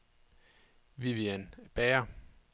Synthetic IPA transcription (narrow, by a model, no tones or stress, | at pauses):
ʋiʋiænb̥ɛːɐ